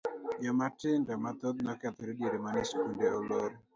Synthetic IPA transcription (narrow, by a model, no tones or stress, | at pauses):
jɔmatɪndɔmat̪ot̪̚nɔkɛt̪ɔɾidiɾemaniskundeoloɾ